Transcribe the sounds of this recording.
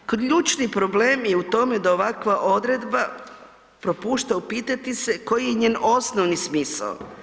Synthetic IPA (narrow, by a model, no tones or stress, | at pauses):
kʎuːt͡ʃnipɾo̞ble̞ːmjeut̪o̞me̞d̪ao̞ʋakʋaʔo̞d̪ɾe̞d̪ba | pɾo̞puːʃt̪aupiːt̪at̪ise̞ko̞jijeɲe̞ːno̞snoʋnismiːsa̰o